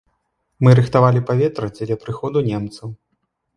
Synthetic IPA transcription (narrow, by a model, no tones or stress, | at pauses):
mɨɾɨxt̪avalʲipavʲɛt̪ɾɐd͡zʲɛlʲapɾɨxɔd̪unʲɛmt̪sɐw